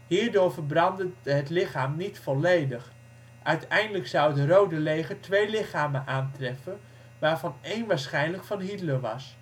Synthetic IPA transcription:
hiːɹdʊːɹvəɹbrɑndəɦətlɪχaːmnitfɔlejdəχ | ʔœɥtɛjndələksɑwdərowdəlejχəɹtʋejlɪχaːmənʔaːntrɛfən | ʋaːɹvɑnejnʋaːɹsχɛjnləkfɑnɦidləʋɑ̰s

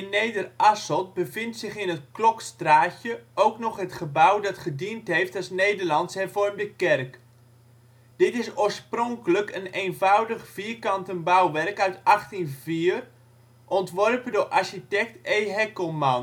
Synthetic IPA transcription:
ɪnːejdərʔasɔt̚bəvɪntsɪχɪnət̚klɔkstraːtjəʔowknɔχɦətχəbawdɑtχədintɦejftasnejdərlɑntshɛrvɔrmdəkɛrk | d̥ɪtɪsoːɹsprɔŋkələkənejnvawdəχv̥iəkɑntənbawʋɛrkœɥtɑχtinviːər | ʔɔntʋɔrpədʊrʔaɹʃitɛk̚tejɦɛkəlˠman

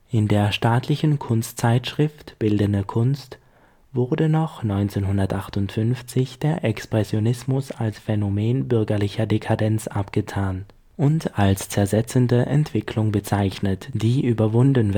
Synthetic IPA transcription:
ʔɪndeːɐʃtaːtʰlɪçən̩kʰʊnstt͡saɪtʃʁ̥ɪftb̥ɪldənəkʰʊnst | v̥ʊɐdənɔχnɔʏnt͡seːnɦʊndɐtʔaχtʊntfʏnft͡sɪçd̥eːɐʔɛkspʁ̥ɛsjonɪsmʊsalsfɛnomeːnbʏɐɡɐlɪçɐdekʰadɛnt͡sʔapɡ̥ətʰaːn | ʔʊntalst͡sɛɐzɛt͡səndəʔɛntv̥ɪkʰlʊŋbət͡saɪçnətd̥iːʔyːbɐvʊndn̩

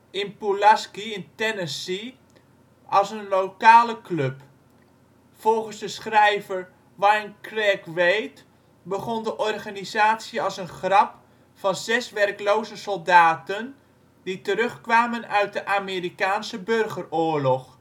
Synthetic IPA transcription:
ɪnpulaskiɪntɛnəsi | ʔɑlˠsənlowkaːləklɵp | fɔlˠχənzdəsχrɛjvəɹ | ʋajnkrɛkʋejt | bəχɔndəʔɔrχaːnizaːtsjəɑlˠsənχrɑp | fɑnzɛsʋɛrklowzəsɔlˠdaːtən | d̥itəɾɵχkʋaːmənœɥt̚dəʔaːmeːrikaːnsəbørχərʊːɹlɔχ

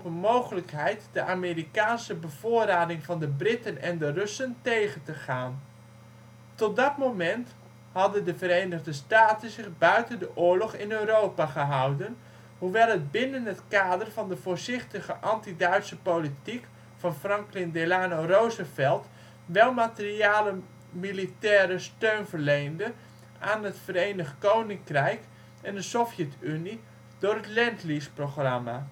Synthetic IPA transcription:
ɔpənmowχələkɦɛjtdəʔaːmeːrikaːnsəbəv̥ʊːraːdɪŋvɑndəbrɪtənɛndərɵsəntejχəntəχaːn | tɔt̚dɑtmomɛnt | hɑdəndəvəɾejnəʁdəstaːtənzɪχbœɥtəndəʔʊːlɔχɪnøɥrowpaχəɦʌwdən | huʋɛlˠɦəd̚bɪnənɦətkaːdərvɑndəvʊːɹzɪχtəχəʔɑntidœɥtsəpolitik | fɑnfrɑŋklɪndelaːnorowzəfɛlˠt | ʋɛlˠmatəriaːlə | militɛːɾəstøɥnvəɹlejndə | ʔaːnɦətfərejnəχkownɪŋkrɛjk | ɛndəsɔfjɛtyni | d̥ʊːrɦətlɛntlisproχrɑma

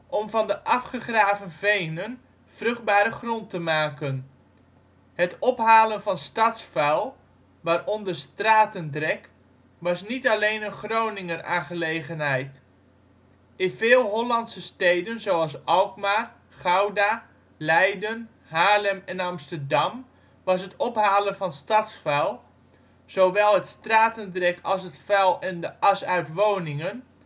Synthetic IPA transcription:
ʔɔmvɑndəʔɑfχəχraːvənvejnən | v̥rɵχd̚baːɾəχrɔntəmaːkən | hətɔpɦaːlənvɑnstɑtsfɛlˠ | ʋaːrɔndərstraːtəndrɛk | ʋɑsnitalejnənχrownɪŋəra̰ːnχəlejχənɦɛjt | ɪnvɪːlˠɦolɑntsəstejdənzowɑlˠsɑlˠkmar | χawda | lɛjdən | haːləmɛnɑmstərdɑm | ʋɑs̬ɦətɔpɦaːlənfɑnstɑtsfɛlˠ | z̥owʋɛlˠətstraːtəndrɛkʰɑlˠsɦətfɛlˠɛndəɑsœɥtʋownɪŋən

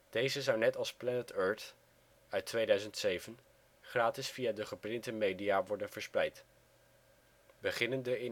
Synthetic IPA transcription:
d̥ejzəzʌwnɛtɑlˠsplɛnətøːɹt | œɥtʋejdœɥzəntsejvən | χraːtɪsfijaːdəχəprɪntəmejdijaːʋɔɹdənvəɹsprɛjt | bəχɪnəndəɪ

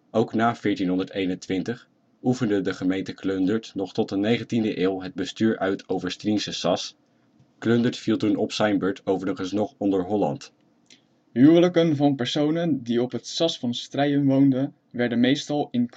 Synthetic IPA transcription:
owknaːv̥ɪːɹtinɦɔndəɹtejnəntʋɪntəχ | ufəndədəχəmejntəkløndəɹtnɔχtɔtdənejχəntindəʔɪːlˠɦəd̚bəstyːɹʔœɥtʰowvəɹstrinsəsɑs | kløndətfilˠtunɔpsɛjmbøɹtʰowvərəχənsnɔχɔndəɹɦɔlɑ̰nt | ɦywələkənvɑnpəɹsownəndiɔpɦətsɑsfɑnstrɛjəmʋowndən | ʋɛɹdənmejstɑlˠɪnk

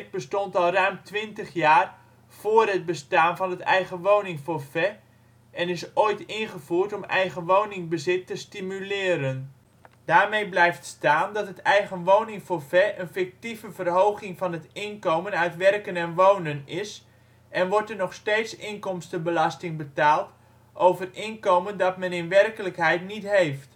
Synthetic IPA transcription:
t̚bəstɔntɑlˠrœɥmtʰʋɪntəχjaːr | v̥oːrɦət̚bəstaːnvɑnətɛ̰jɣəʋownɪŋfofɛ | ɛnɪsoːjtɪnχəvuərtɔmɛ̰jɣənʋownɪŋbəzɪtːəstimylɪːɾən | d̥aːrmejblɛjftstaːndɑtɦətɛjɣənʋownɪŋfoːfɛʔənfɪk̚tivəvərɦowχɪŋfɑnɦətɪnkowmənœɥtʋɛrkənɛnʋownənɪs | ʔɛnʋɔɹtərnɔχsteːtsɪnkɔmstəbəlɑstɪŋbətaːlˠt | ʔowvərɪnkowməndɑtmɛnɪnʋɛrkələkɦɛjtnitɦejft

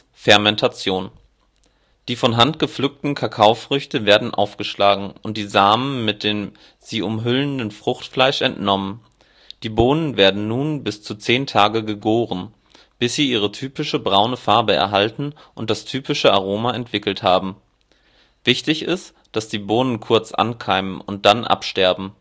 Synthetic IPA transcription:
fɛɐmɛntʰat͡sjoːn | d̥iːfɔnɦantɡ̥əflʏk̚tn̩kʰakʰaʊfʁ̥ʏçtəveːɐdn̩ʔa̰ʊfɡ̥əʃlaːɡŋ̩ʔʊnt̚d̥iːzaːmənmɪt̚d̥eːm | z̥iːʔʊmɦʏləndənfʁ̥ʊχtflaɪʃʔɛntnɔmən | d̥iːboːnənveːɐdn̩nuːnbɪst͡sut͡seːntʰaːɡəɡəɡoːʁən | b̥ɪsz̥iːʔiːʁ̞ətʰyːpɪʃəbʁaʊnəfaɐbəɛ̰ɐɦaltn̩ | ʔʊnt̚d̥astʰyːpɪʃəaʁ̞oːmaɛntv̥ɪkl̩thaːbm̩ | vɪçtɪçɪst | d̥asd̥iːboːnənkʰʊɐt͡sʔa̰nkʰaɪmənʊnt̚d̥anʔa̰pʃtɛɐbm̩

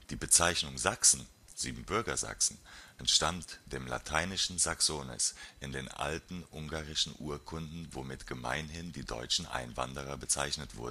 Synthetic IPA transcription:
d̥iːbət͡saɪçnʊŋzaksn̩ | z̥iːbm̩bʏɐɡɐza̰ksn̩ʔɛntʃtantd̥eːmla̰tʰaɪnɪʃn̩zaksoːnɛ̰sʔɪndeːnʔa̰ltn̩ʔʊŋɡaːʁɪʃn̩ʔuːɐkʰʊndn̩vomɪtɡ̥əma̰ɪnɦɪndiːdɔ̰ʏt͡ʃn̩ʔa̰ɪnva̰ndəʁɐbət͡saɪçnətv̥ʊ̰ɐdn̩

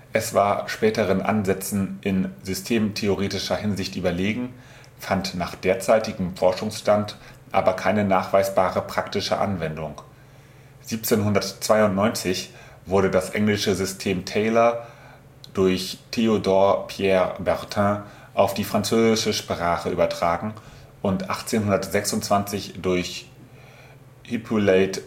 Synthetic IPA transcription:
ʔɛsv̥aːɐʃpɛːtəʁ̞ənʔa̰nzɛt͡sn̩ʔɪnzʏstʰeːmtʰeoʁeːtɪʃɐhɪnzɪçtʔyːbɐleːɡŋ̩ | fantnaːχd̥eːɐt͡saɪtɪɡm̩fɔɐʃʊŋsʃtant | ʔa̰ːbɐkʰaɪnənaːχv̥aɪsb̥aːʁəpʁ̥aktɪʃə̰ʔa̰nvɛndʊŋ | z̥iːp̚t͡seːnɦʊndɐtt͡sv̥aɪʊntnɔʏnt͡sɪç | v̥ʊɐɾədasʔɛ̰ŋlɪʃəzʏstʰeːmtʰɛɪlɐ | d̥ʊɐçtʰeodɔɐpʰjɛːɐbɛʁtʰɛ̃ | ʔaʊfd̥iːfʁ̥ant͡søːzɪʃəʃpʁ̥aːχəʔyːbɐtʁ̥aːɡŋ̩ | ʔʊntʔaχt͡seːnɦʊndɐtz̥ɛksʊntt͡sv̥ant͡sɪçd̥ʊɐç | hipʰuleɪt

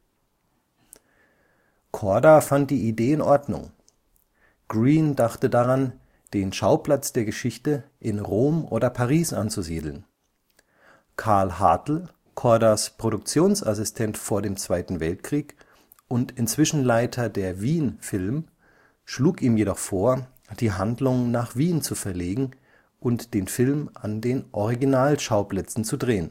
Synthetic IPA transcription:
kʰɔɐdafant̚d̥iːideːɪnʔɔɐdnʊ̰ŋ | ɡ̥ʁiːndaχtədaʁan | d̥eːnʃaʊpl̥at͡sd̥eːɐɡəʃɪçtəʔɪnʁoːmʔo̰ːdɐpʰaʁiːsʔant͡suzḭːdl̩n | kʰaɐlhatl̩ | kʰɔɐdaspʁ̥oɾʊk̚t͡sjoːnsʔasɪstʰɛntfoːɐdeːmt͡sv̥aɪtn̩vɛltkʁ̥iːk | ʔʊntɪnt͡sv̥ɪʃn̩laɪtʰɐdeːɐviːnfɪlm | ʃluːkʔiːmjedɔχfoːɐ | d̥iːɦandlʊŋnaːχv̥iːnt͡sufɛɐleːɡŋ̩ | ʔʊntd̥eːnfɪlmʔandeːnʔɔʁiɡinaːlʃaʊplɛt͡sn̩t͡sudʁeːən

